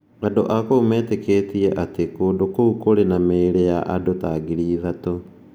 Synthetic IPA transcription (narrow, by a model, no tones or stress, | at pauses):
adoʔakomɛːtekeːtiɛʔatekoːdokoukoɾenameːɾejaʔadotaɡiɾiːðato